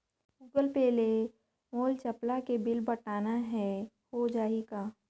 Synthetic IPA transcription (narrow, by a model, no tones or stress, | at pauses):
uɡəlpeːle | moːlt͡ʃɐplakebɪlbɐʈaːnaɦɛ | hod͡ʒaːeɡaː